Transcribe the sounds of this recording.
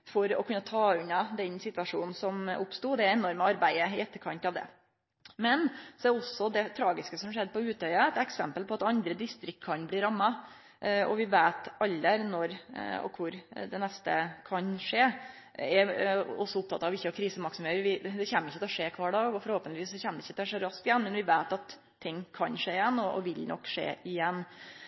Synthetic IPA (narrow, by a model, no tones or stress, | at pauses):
fɔɾɔ̰kʰʉnːət̪ʰɑːʉnɑd̪ɛnsɪt̪ʋɑʂuːnn̩sɔmʊpst̪uːd̪ɛɛnɔɾməɑɾbæɪəɪɛt̪ːəɾkʰɑnt̪ɑʋd̪ɛ̰ | mɛnsɔɛɾɔsːɔd̪ɛt̪ʰɾɑːɡɪskəsɔmʂɛd̪ːəpʰɔʉːt̪œʏɑæt̪ɛksɛ̰mpəlpʰɔɑt̪ɑnd̪ɾəd̪ɪst̪ɾɪk̚t̪̚kʰɑnbliːɾɑmːɑ | ʔɔ̰ʋɪʋeːt̪ɑlːəɾnɔɾɔ̰kʰʊɾd̪ɛnɛst̪ə̰kʰɑnʂeː | ɛɔsːɔʊp̚t̪ʰɑ̰t̪ːɑʋɪçːəɔkʰɾiːsəmɑksʊmheːʋɪd̪ɛçæːmːɪçət̪ʰɛɔʂeːkʰʋɑːɖɑɔfɔɾhoːpənɪʋiːsɔçɛːmːəd̪ɪçːət̪ʂɛɾɑsk̪ɪjɛnːmɛnʋɪʋeːt̪ɑt̪ʰː | ɪŋːkʰɑnʂeːɪjɛnːɔʔɔ̰ʋɪlnɔ̰kːʂḛːʔɪjɛnː